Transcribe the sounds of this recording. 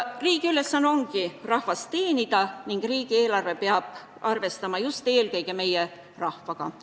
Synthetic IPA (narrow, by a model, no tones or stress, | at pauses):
riːɡ̥iyle̞sːɑnːo̞ŋɡ̥irɑhvɑst̪e̞ːnid̪ɑniŋɡ̥riːɡ̥ie̞ːlɑrve̞peɑb̥̚ | ʔɑrve̞st̪ɑmɑjust̪e̞ːlkɤ̞jɡ̥e̞me̞je | rɑhvɑɡ̥ɑ̰